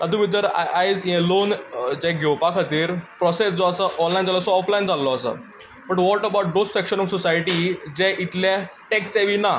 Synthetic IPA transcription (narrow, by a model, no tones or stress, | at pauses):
ad̪ũʋid̪əɾajzelond͡ʑɛ̃ɡʱewpakʰat̪iːɾpɾɔsesd͡zɔəsəʔɔnlajnd͡zalɔsɔɔflaind͡zalɔːsə̰ | bəʈʋɔʈəbawʈ̚ɖosfɛkɕənɔŋsɔsajʈid͡ʑɛ̃ʔit̪lãʈɛksɛʋina